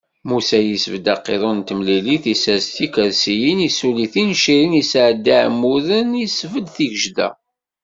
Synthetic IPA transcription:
musæjəsvəd̪ɑqːḛðˤont̪əmliliθisæzt̪ikəðsijinisuliθinʃiɾinisʕd̪iʕmːuðənisvəd̪θiɡəʒd̪æ̰

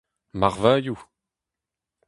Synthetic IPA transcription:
maʁvaju

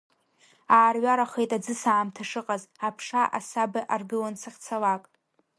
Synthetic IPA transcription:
aːrɥaɾaχejtʼad͡zɨsaːmtʰaʂɨqʼazapʰʂaʔa̰sabɨʔarɡɨlansʰaχʲt͡sʰalakʼ

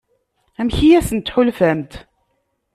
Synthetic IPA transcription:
æmçijæsənt̪ħʊlfæmt̪

